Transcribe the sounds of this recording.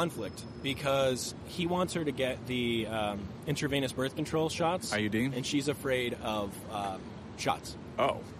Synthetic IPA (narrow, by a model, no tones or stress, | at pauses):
ɑ̃nflɪk̚t̚ | b̥ɨkʰʌz̥ | hiwɑ̃ntshə˞ɾɨɡɛt̪̚ðiʌ̃ | ɪ̃ntʰə˞vĩɪ̃ñɨsb̥ɜ˞θkntʰɹ̥oʊlˠʃɑtsə˞jɨdiɨ̃nʃizɨfɹeɪɾʌv̥ʌ | ʃɑ̰ts | oʊ